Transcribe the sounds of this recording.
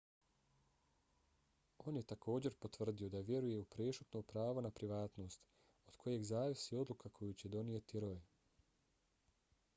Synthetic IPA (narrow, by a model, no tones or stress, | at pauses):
o̞ːnje̞t̪akʰo̞ːd͡ʑe̞ɾpo̞t̪ʋr̩d̪io̞d̪aʋje̞ɾuje̞upɾesut̪noːpɾaːʋo̞napɾiʋaːt̪no̞ːst̪ | o̞d̪kʰo̞je̞ɡzaːʋisio̞d̪lˠukakʰo̞jut͡ɕe̞d̪o̞nijet̪iɾo̞je